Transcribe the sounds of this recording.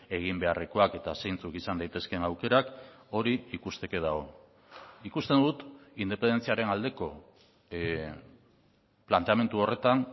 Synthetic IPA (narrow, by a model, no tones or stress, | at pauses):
e̞ɣ̞imbe̞are̞ko̞ake̞t̪ase̞jnt͡sukisand̪ajt̪e̞skenawke̞ɾako̞ɾiikust̪e̞ke̞ðaɣo̞ | ikust̪end̪ut̪ind̪epe̞nd̪e̞nt͡siaɾe̞nald̪e̞ko̞ | plant̪e̞ame̞nt̪uo̞re̞t̪an